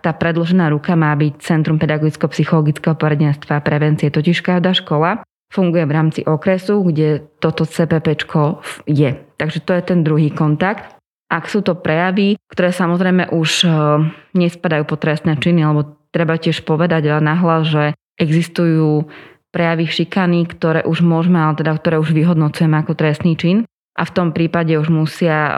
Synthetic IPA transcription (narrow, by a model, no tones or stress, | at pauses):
t̪aːpɾɛd̪lɔʒɛnaːɾukamaːbict͡sɛnt̪ɾumpɛd̪aɡɔɡit͡skɛɔpsixɔlɔɡit͡skɛɦɔpɔɾɛɟɛnst̪ʋaːpɾɛʋɛnt͡siɛt̪ɔciʃkaʒd̪aːʃkɔla | fuŋɡujɛʋɾaːmt͡siʔɔkɾɛsuɡɟɛt̪ɔt̪ɔt͡sɛːpɛpɛt͡ʃkʰɔjɛt̪aɡʒɛt̪ɔjɛt̪ɛnd̪ɾuɦiːkɔnt̪akt̪ | ʔaksuːt̪ɔpɾɛjaʋikt̪ɔɾɛːsamɔzɾɛjmɛʔuʃ | ɲɛspad̪ajuːpɔt̪ɾɛst̪nɛt͡ʃinialɛbɔt̪ɾɛbacɪɛʃpɔʋɛd̪aɟalɛnaɦlazʒɛ | ʔɛɡzist̪ujuː | pɾɛjaʋiʃikanikt̪ɔɾɛːʔuʒmʊɔʒmɛalɛt̪ɛd̪ak̚t̪ɔɾɛːuʒʋiɦɔd̪nɔt͡sujɛmɛakɔt̪ɾɛst̪niːt͡ʃin | ʔa̰ft̪ɔmpɾiːpaɟɛuʒmusɪa